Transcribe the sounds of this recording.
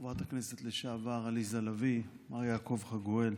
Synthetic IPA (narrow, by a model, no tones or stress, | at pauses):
vat̪hakneset̪leʃaavaʁalizalavi | majaːko̞vχaɡoel